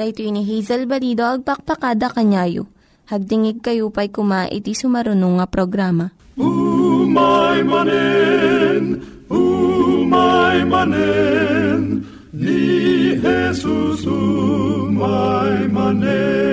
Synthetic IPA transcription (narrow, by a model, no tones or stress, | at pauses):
sɐʔit̪oiniɦijzɐlbɐlid̪oʔɐɡ̚pɐk̚pɐkaːd̪ɐkɐɲaːjo̰ | hɐɡ̚d̪ɪŋɪɡ̚kɐjupɐjkʊmaʔɪ̰t̪isʊmɐɾʊnoŋɐpɾoɡɾaːmɐ | umajmanɛ | n | umajmanɛ | n | nihɛsusu | majmanɛ